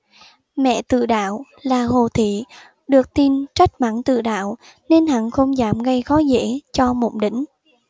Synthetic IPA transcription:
mɛ̰˧˨t̪ɨ̰˧˨ɗa̰ː˧˨w | laː˨˩ɦo˨˩t̪ʰḭ˧˨ | ɗɨ˨˩ək̚t̪i˧nt͡ɕa˦˥jk̚ma̰˧˩nt̪ɨ̰˧˨ɗa̰ː˧˨w | ne˧nha̰˧˨nxə˧wŋ͡mzaː˧˩mɣə˧jxɔ˨˦zḛ˧˥t͡ɕɔ˧mo̰˧˩ŋ͡mɗï˧˩ŋ̟

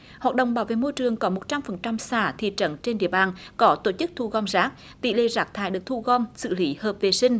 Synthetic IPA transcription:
hwaː˨˩t̚ɗə̰˧˨wŋ͡mɓaː˨˦wvḛ˧˨mo˧jt͡ɕɨ˨˩əŋkɔ˨˦mo˨˩t̚t͡ɕa˧mfə˨˩nt͡ɕa˧msaː˧˩t̪ʰḭ˧˨t͡ɕə˧˦nt͡ɕe˧nɗḭ˧˨əɓaː˨˩nkɔ˨˦t̪o˧˩t͡ɕɨ˦˥k̚t̪ʰu˧ɣɔ˧mzaː˦˥k̚ | t̪ḭ˧˥lḛ˧˨zaː˦˥k̚t̪ʰaː˧˩jɗɨ˨˩ək̚t̪ʰu˧ɣɔ˧msɨ̰˧˨li˨˦həː˨˩p̚ve˨˩sï˧ŋ̟

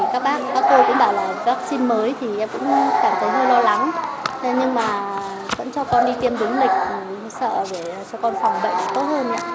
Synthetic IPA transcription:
kaː˦˥k̚ɓaː˦˥k̚kaː˦˥k̚ːo˧kʊ̰˧˥ŋ͡mɓaː˧˩wlaː˨˩kaː˦˥k̚si˧nməː˨˦jt̪ʰi˨˩ʔɛ˧mkʊ̰˧˥ŋ͡mkaː˧˩mt̪ʰə˨˦jɦəː˧jlɔ˧la˨˦ŋ˨ɲɨ˧ŋmaː˨˩ | və̰˧˥nt͡ɕɔ˧kɔ˧nɗi˧t̪i˧əmɗɨ˨˦ŋlï˨˩k̟̚ː | sə̰ː˧˨ɗe˧˩˨t͡ɕɔ˧kɔ˧nfa˨˧˩wŋ͡mɓə̰˧˨jʔa˨˩t̪o˦˥t̚həː˧nʔa̰ː˧˥

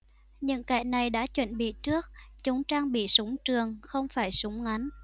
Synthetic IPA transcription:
ɲɨ̰˧˥ŋka̰ː˧˩jna˨˩jɗa̰ː˧˥t͡ɕwə̰˧˨nɓḭ˧˨t͡ɕɨ˦˥ək̚t͡ɕʊ˨˦ŋ͡mt͡ɕaː˧ŋɓḭ˧˨sʊ˨˦ŋ͡mt͡ɕɨ˨˩əŋxə˧wŋ͡mfaː˧˩jsʊ˨˦ŋ͡mŋa˨˦n

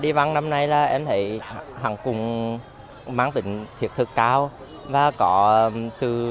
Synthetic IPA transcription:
ɗi˧va˧ŋna˧mna˧jlaː˨˩ʔɛ˧mt̪ʰe˧˩˦j | ɦa˧˩ŋkʊ˨˩ŋ͡m | maː˧˥ŋt̪ï˧˩˦ŋ̟t̪ʰi˨˩t̪ʰɨ˨˩kːaː˧w | vaː˨˩kɔ˧˦sɨ̰˧˩

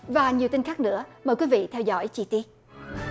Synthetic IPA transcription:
vaː˨˩ɲi˨˩əwt̪i˧nŋxaː˦˥k̚nɨ̰˧˥əməː˨˩jkwi˨˦vḭ˧˨t̪ʰɛ˧wzɔ̰˧˥jt͡ɕi˧˩t̪i˧˦

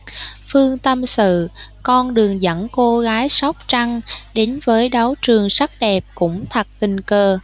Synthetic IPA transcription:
fɨ˧əŋt̪ə˧msɨ̰˧˨kɔ˧nɗɨ˨˩əŋzə̰˧˥ŋko˧ɣaː˨˦jsa˦˥wk͡p̚t͡ɕa˧ŋɗe˨˦nvəː˨˦jɗa˨˦wt͡ɕɨ˨˩əŋsa˦˥t̚ɗɛ˨˩p̚kʊ̰˧˥ŋ͡mt̪ʰə˨˩t̚t̪ï˨˩ŋ̟kəː˧˩

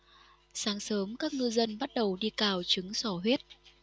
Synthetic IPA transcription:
saː˨˦ŋsəː˨˦mkaː˦˥k̚ŋɨ˧zə˧nɓa˦˥t̚ɗə˨˩wɗi˧kaː˨˩wt͡ɕɨ˨˦ŋsɔ˧˩ɦwi˦˥ət̚

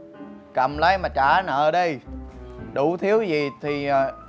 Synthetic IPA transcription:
kə̰˧˩mlə˨˦jmaː˨˩t͡ɕaː˧˩nə̰ː˧˩ɗə˧j | ɗu˧˩˦t̪ʰi˨˦əwzi˨˩t̪ʰi˨˩˨

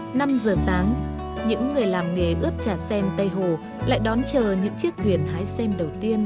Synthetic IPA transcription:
na˧mzəː˨˩saː˨˦ŋ | ɲɨ̰˧˥ŋːɨ˨˩əjlaː˨˩mŋe˨˩ʔɨ˦˥əp̚t͡ɕaː˧˩sɛ˧nt̪ə˧jɦo˨˩ | la̰ː˧˨jɗɔ˨˦nt͡ɕəː˨˩ɲɨ̰˧˥ŋt͡ɕɨ˦˥ək̚t̪ʰwi˨˩ənhaː˨˦jsɛ˧nɗə˨˩wt̪i˧ən

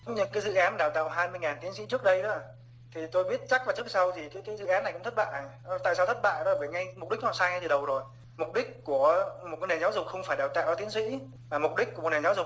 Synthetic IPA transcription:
ŋ͡mɲɨ˧ŋkaː˨˦jzɨ̰˧˨ʔaː˨˦n˨ɗaː˨˩wt̪a̰ː˧˨wɦaː˧jmɨ˧əjŋaː˨˩nt̪i˨˦ənsḭ˧˥t͡ɕɨ˦˥ək̚ɗə˧jɗɔ˨˦˨ | t̪ʰi˨˩t̪o˧jɓi˦˥ət̚t͡ɕa˦˥k̚vaː˨˩t͡ɕɨ˦˥ək̚sa˧wzi˨˩kaː˨˦jkaː˨˦jzɨ̰˧˨ʔaː˨˦nːa˨˩jkʊ̰˧˥ŋ͡mt̪ʰə˦˥t̚ɓa̰ː˧˨jt̪a̰ː˧˨jsaː˧wt̪ʰə˦˥t̚ɓa̰ː˧˨jɗɔ˨˦la˨˩vəː˧˩jŋa˧jm˨˩k͡p̚ɗi˦˥k̚hw̰aː˧˨˩saː˧jŋa˧jt̪ɨ˨˩ɗə˨˩wzo˨˩j | mʊ˨˩k͡p̚ɗi˦˥k̚ku˧˩əmo˨˩t̚kɔ˨˦ne˨˩nzaː˨˦wzʊ˨˩k͡p̚xə˧wŋ͡mfaː˧˩jɗaː˨˩wt̪a̰ː˧˨wʔɔ˧˦t̪i˨˦ənsḭ˧˥ | maː˨˩mʊ˨˩k͡p̚ɗï˦˥k̚ːm̚˨˩ne˨˩nzaː˨˦wzʊ˨˩k͡p̚

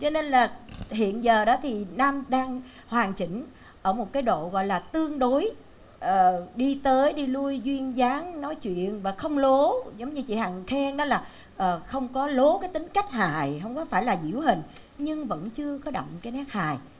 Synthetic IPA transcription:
t͡ɕɔ˧ne˧nlaː˨˩hḭ˧˨ənzəː˨˩ɗɔ˨˦t̪ʰi˨˩naː˧mɗaː˧ŋ | hwaː˨˩nt͡ɕï˧˩ŋ̟ | ʔəː˧˩mo˨˩t̚kaː˨˦jɗo̰˧˨ɣɔ̰˧˨jlaː˨˩t̪ɨ˧əŋɗo˨˦j | ʔəː˨˩ɗi˧t̪əː˨˦jɗi˧lu˧jzwi˧ənzaː˨˦ŋnɔ˨˦jt͡ɕwḭ˧˨ənvaː˨˩xə˧wŋ͡mlo˨˦zə˨˦wŋ͡mɲɨ˧t͡ɕḭ˧˨haː˨ŋxʰɛ˧ŋnɔ˨˦laː˨˩ | ʔəː˨˩xə˧wŋ͡mkɔ˨˦lo˨˦kaː˨˦jt̪ï˨˦ŋ̟ka˦˥jk̟̚ha̰ː˧˨jɦə˧wŋ͡mkɔ˨˦faː˧˩jlaː˨˩zḭ˧˩əwɦï˨˩ŋ̟ | ɲɨ˧ŋvə̰˧˥nt͡ɕɨ˧əkɔ˨˦ɗə̰˧˨wŋ͡mkaː˨˦jnaː˦˥k̚haː˨j

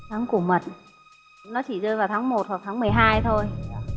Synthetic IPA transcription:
t̪ʰaː˨˦ŋku˧˩əmə˨˩t̚ | nɔ˨˦t͡ɕi˧˩zəː˧jvaː˨˩wt̪ʰaː˨˦ŋmo˨˩t̚va˨˩t̪ʰaː˨˦ŋmɨ˨˩əjɦaː˧jt̪ʰo˧j

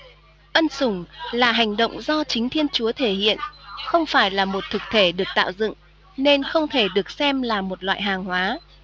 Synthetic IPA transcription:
ʔə˧nsʊ˧˩ŋ͡mlaː˨˩ɦa˨˩jŋ̟ɗo̰˧˨wŋ͡mzɔ˧t͡ɕï˨˦ŋ̟t̪ʰi˧ənt͡ɕu˨˦ət̪ʰe˧˩hḭ˧˨ənxə˧wŋ͡mfaː˧˩jlaː˨˩mo˨˩t̚t̪ʰɨ˨˩k̚t̪ʰe˧˩ɗɨ˨˩ək̚t̪a̰ː˧˨wzɨ̰˧˨ŋ | ne˧nxə˧wŋ͡mt̪ʰe˧˩ɗɨ˨˩ək̚sɛ˧mlaː˨˩mo˨˩t̚lwa̰ː˧˨jɦaː˨˩ŋhwaː˨˦

